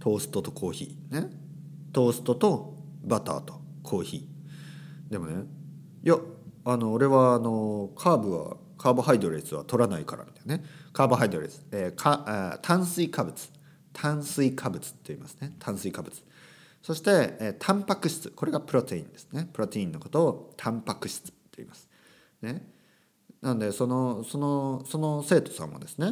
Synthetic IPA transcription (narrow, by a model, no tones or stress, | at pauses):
t̪ʰo̞ːsɨ̥t̪o̞t̪o̞̥kʰo̞ːçḭːne | t̪o̞ːsɨ̥t̪o̞t̪o̞ | bat̪a̰ːt̪o̥ | kʰo̞ːçḭː | d̪e̞mo̞̰ne̞ | jaano̞ːɾe̞βaːno̞kʰaːbɯ̟βa̰ | kʰaːbɯhaid̪o̞ɾe̞sɨβa̰t̪o̞ɾanaikaɾa̰mi̥t̪ajnekaːbɯɦaid̪o̞ɾe̞sɨ̥ekʰat̪ʰãɰ̃sɨikʰabɯ̟t͡sɨ̥ | t̪ʰãɰ̃sɨikʰabɯ̟t͡sɨ̥t̪ːoḭːmasɨ̥ne̞t̪ʰãsɨikabɯ̟t͡sɨ̥ | so̞ɕi̥t̪e̞eːt̪ʰãmpakɯ̟ɕi̥t͡sɨ̥ko̞ɾe̞ɡapɯ̟ɾo̞t̪eḭ̃nd̪e̞̥sɨ̥ne̞pɯ̟ɾo̞t̪eĩnːo̞ko̞t̪o̞ːt̪ʰãmpakɯ̟ɕi̥t͡sɨ̥t̪ːoḭmasɨ̥ | ne̞ | nanod̪e̞so̞no̞so̞noso̞no̞se̞ːt̪o̞̥sã̰mmo̰d̪e̞sɨ̥ne̞